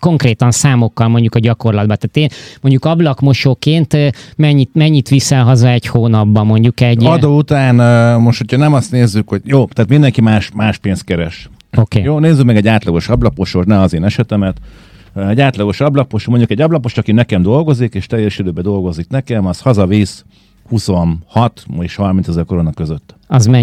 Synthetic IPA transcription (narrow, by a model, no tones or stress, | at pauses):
ko̞ŋkreːt̪ɒnsaːmo̞kːɒlmo̞ɲɟukɒɟɒko̞rlɒd̪bɒt̪aːt̪eːnmo̞ɲɟukɒblɒkmo̞ʃoːkeːnt̪ːmɛɲːit̪mɛɲːit̪ʋisɛlɦɒzɒɛchoːnɒbːɒmo̞ɲɟukɛɟɒd̪oːut̪aːnːmoʃt̪hocʰɒnɛmɒst̪neːzːykhoɟjoːt̪ɛːt̪mind̪ɛŋkimaːʃmaːʃpeːnst̪̚kɛɾɛʃ | okḛːjoːneːzːykmɛɡɛɟaːt̪lɒɡo̞ʃɒblɒpo̞ʃoknɛɒzeːnɛʃɛt̪ɛmɛt̪ | ɛɟaːt̪lɒɡo̞ʃɒblɒpo̞ʃmoɲɟukɛɟɒblɒpo̞ʃt̪ɒkinɛkɛmd̪o̞lɡo̞zikeːʃt̪ɛjɛʃid̪øːbɛd̪o̞lɡo̞ziknɛkɛmɒshɒzɒviːs | huso̞nhɒt̪meʃhɒrmint̪sɛzɛrko̞ɾo̞nɒkøzøt̪ːɒzmɛɲ